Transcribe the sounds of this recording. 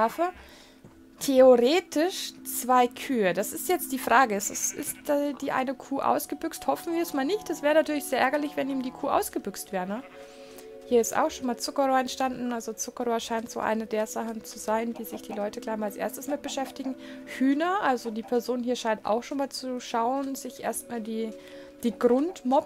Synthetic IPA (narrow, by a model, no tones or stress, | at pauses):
ɛɐfə | tʰeoʁeːtɪʃt͡sv̥aɪkʰyːədasɪstjɛt͡st̚d̥iːfʁ̥aːɡəɪstasɪ̰stɛd̥iːʔa̰ɪnəkʰuːʔa̰ʊsɡ̥əbʏksthɔfn̩viːɐɛsmaːlnɪçtd̥asv̥ɛːʁənatʰyːɐlɪçz̥eːɐʔɛɐɡɐlɪçv̥ɛniːmdiːkʰuːʔa̰ʊsɡ̥əbʏkstv̥ɛːɐʁənə | hiːɐɪsta̰ʊxʃoːnmaːlt͡sʊkɐʁoːɛntʃtandn̩alzot͡sʊkɐʁoːɐʃaɪntz̥o̰ːʔa̰ɪnədeːɐzaχn̩t͡suzaɪndiːzɪçd̥iːlɔʏtəɡlaɪçmaːlasʔḛɐstəsmɪt̚b̥əʃɛftɪɡŋ̩hyːnɐʔalzodiːpʰɛɐzoːnhiːɐʃaɪntʔa̰ʊxʃoːnmaːlt͡suʃaʊənz̥ɪçʔḛːɐstmaːldiː | d̥iːɡʁʊntmɔp